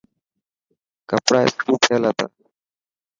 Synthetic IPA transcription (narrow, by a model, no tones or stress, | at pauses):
kəpɽaːḛskʰuːpʰeːlət̪a̰ː